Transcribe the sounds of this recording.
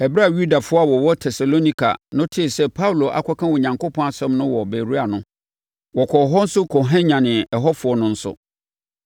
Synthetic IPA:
ɛ˨bɪ˦a˦˨ɥu˦da˨fʊ˦a˦˨wɔ˨wɔ˦tʰɛ˨sa˨lo˦nĩ˦kʰa̰˨nʊ̃˦tʰɪ˨sɛ˦pʰa˦wlo˨ʔa̰˨kʰɔ˦kʰã˦wɔ˨ɲã˨ŋko˦pʰɔ̃˦a˨sɛ̃˦mnʊ̃˦wɔ˨be˨ɾu˦a˨nʊ̃˦ | wɔ˨kʰɔ˨ɦɔ˦n̩˦sʊ˦kʰɔ˨ɦɛ̃˦ɲã˨nɪ̃˨ɛ˨ɦɔ˦fʊ˨˦ɔ˦nʊ̃˦n̩˦sʊ̰˦

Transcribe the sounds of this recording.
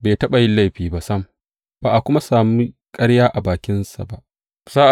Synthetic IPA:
beː˨tɐ˦ɓa˨jɪ˦la˦˨jɸiː˨ba˨sɐ˦m˨ | baː˨ʔa˨kʷʊ˦ma˦saː˨mi˦kʼɐ˦ɽjaː˦ʔa˨baː˨kʲɪ˦nsa̰˨ba˦˨ʔ | zaː˦ʔ

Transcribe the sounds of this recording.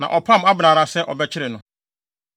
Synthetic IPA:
nã̰˨ʔɔ˨pʰã˦m˦a˦bɪ˨nãː˨ɾa˦sɛ˦ʔɔ̰˨bɛ˦t͡ɕʰɪ˦ɾɪ˨nʊ̃˨˦

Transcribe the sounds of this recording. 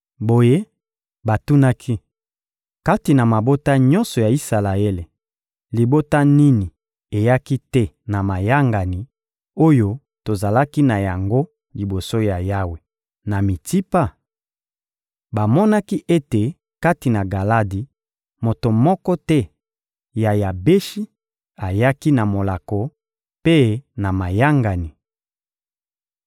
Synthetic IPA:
bo˨je˦ | ba˨tu˦na˦kʰi˦ | ka˦ti˨na˨ma˨bo˦ta˦ɲɔ̃˦nsɔ˨ja˨i˦sa˨la˨e˦le˨ | li˨bo˦ta˦ni˦ni˨ | e˨ja˦ki˦tɛ˦ | na˨ma˨ja˦ŋɡa˨ni˨ | o˦jo˦ | to˨za˨la˦ki˦na˨ja˨ŋɡo˦ | li˨bo˨so˦ja˨ja˦we˨ | na˨mi˨ti˦pa˦ | ba˨mɔ˦na˦ki˦ʔe˦te˨ | ka˦ti˨na˨ɡa˨la˦di˨ | mo˨to˨mɔ˦kɔ˦tɛ˦ | ja˨ja˨be˦ʃi˦ | a˨ja˦ki˦na˨mo˨la˨kɔ˨ | pe˦na˨ma˨ja˦ŋɡa˨ni˨

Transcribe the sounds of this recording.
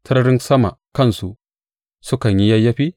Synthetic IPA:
tʰɐ˦ɾɾi˦nsɐ˦ma̰˨kɐ˦˨nsu˨ | su˦ka˨ɲji˦ja˦jːɐ˦ɸi˦

